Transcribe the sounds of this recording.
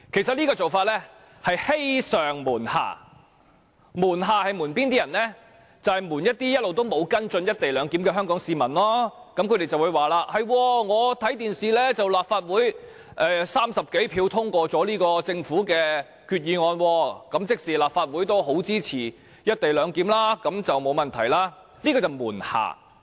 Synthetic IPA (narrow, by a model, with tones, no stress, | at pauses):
kʰe˨˩sɐ˨t̚liː˥kɔː˧t͡so˨wfaː˧t̚lɛ˥ | hɐ˨jhe˥jsœː˨˩ŋmuː˨˩nha̰ː˨˩ | muː˨˩nɦaː˨˧hɐ˨jmuː˨˩npiː˥nt̪i˥jɐ˨˩nlɛː˥ | t͡sɐ˨whɐ˨jmuː˨˩njɐ˥t̪̚iː˥jɐ˥t̚lo˨wt̪̬o˥wmo˨˧wkɐ˥nt͡sɵ˧njɐ˥t̚t̪e˨jlœː˨˧ŋkiː˨˥mkɛː˧ɦœː˥ŋkɔː˨˥ŋsiː˨˧mɐ˨˩nlɔː˥kɐ˨˥mkʰɵ˨˧ɾe˨jt͡sɐ˨wuː˨˧jwaː˨laː˧t̚hɐ˨jwɔː˧ŋɔː˨˧t̪ʰɐ˨˥jt̪iː˨nsiː˨lɛː˥t͡sɐ˨wlaː˨p̚faː˧t̚wuː˨˥j | ʔɛː˨˧saː˥msɐ˨p̚ke˨˥jpʰiː˧wt̪ʰʊ˥ŋkʷɔː˧t͡sɔː˨˥liː˥kɔː˧t͡sɪ˧ŋfuː˨˥kɛː˧ | kʰyː˧t̚jiː˨˧ŋɔː˧nwɔː˧kɐ˨˥mt͡sɪ˥k̚siː˨laː˨p̚faː˧t̚wu˨˥jt̪o˥wɦo˨˥wt͡siː˥t͡sʰiː˨˩ | jɐ˥t̚t̪e˨jlœː˨˧ŋkiː˨˥mlaː˥kɐ˨˧˥mt͡sɐ˨wmo˨˧wmɐ˨nt̪ʰɐ˨˩jlaː˧˥ | liː˥kɔː˧t͡sɐ˨˩wmuː˨˩nha̰ː˨˩